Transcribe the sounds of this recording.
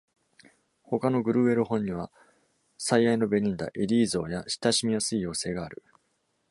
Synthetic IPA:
ho̞kano̞ɡɯ̟ɾɯ̟ːe̞ɾɯ̟hõ̞ɲ̟ːiβa | saiaino̞be̞ɲ̟ĩnd̪a̰ʔeɾʲiːzo̞ːjaɕi̥t̪aɕimʲijasɨijo̞ːse̞ːɡaːɾɯ̟

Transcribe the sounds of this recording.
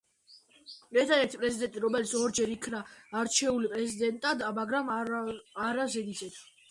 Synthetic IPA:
mɛɾt̪ʰad̪ɛɾt̪ʰipʼɾɛzid̪ɛnt̪ʼiɾɔmɛlit̪sɔɾd͡ʒɛɾikʰnaːɾt͡ʃʰɛulipʼɾɛzid̪ɛnt̪ʼad̪amaɡɾam | aɾazɛd̪isɛt̪ʰ

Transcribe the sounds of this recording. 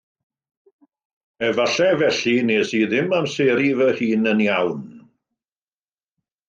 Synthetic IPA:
ɛvaɬɛvɛɬineːsiðɪmamseːɾivəhiːnənjawn

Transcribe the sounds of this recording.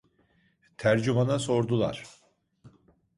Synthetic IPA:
t̪ʰæɾd͡ʒumanaso̞ɾd̪ulˠa̰ɾ̥

